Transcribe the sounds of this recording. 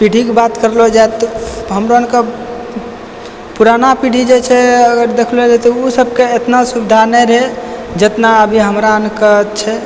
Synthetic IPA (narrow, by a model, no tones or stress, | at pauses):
piɽʱikebat̪kəɾlod͡ʒaet̪ɔɦəmɾoənkə | puɾanapiɖ̤ʱid͡ʒet͡ʃʰɛəɡəɾd̪ekʰlod͡ʒat̪ousəb̚ʱkeet̪nasubid̪ʱanɛjɾəɦed͡ʒet̪naəbʱiɦəmɾaənkət͡ʃʰɛ